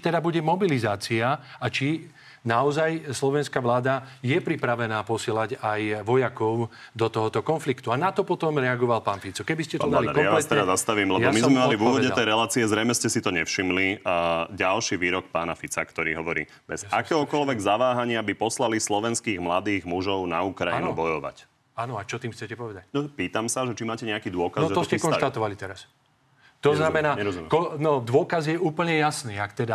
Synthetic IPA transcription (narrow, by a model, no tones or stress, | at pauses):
i̥t̪ɛd̪abuɟɛmɔbilizaːt͡siaat͡ʃi | naɔzajslɔʋɛnskaʋlaːd̪ajɛpɾipɾaʋɛnaːpɔsɪɛlaɟajʋɔjakɔʊd̪ɔt̪ɔɦɔt̪ɔkɔnflikt̪uanat̪ɔpɔt̪ɔmɾɛaɡɔʋalpaːnfit͡sɔkɛbiscɛt̪ɔd̪aliajaast̪ɛɾazast̪aʋiːmlɛjamizmɛmalivuʋɔdɛɛjɾɛlaːt͡siɛzɾɛjmɛscɛsit̪ɔɲɛfʃimliɟalʃiʋiːɾɔkpaːnafit͡sa̰kt̪ɔɾiːɦɔʋɔɾḭː | bɛzakɛːɦɔkɔlʋɛɡzaʋaːɦaɲɪabipɔslalislɔʋɛnskiːɣmlad̪iːɣmuʒɔʊnauːkɾainubɔjɔʋa̰c | aːnɔat͡ʃɔt̪iːmt͡sɛcɛpɔʋɛd̪anɔpiːt̪amsaʒɛt͡ʃimaːcɛɲɛakiːd̪ʊɔkazʒɛɔssɛskɔnʃt̪at̪ɔʋalit̪ɛɾas | t̪ɔznamɛnaːɛɾɔumɛmkɔnɔd̪ʋɔkazjɛʔuːpl̩ɲɛjasniːakt̪ɛd̪a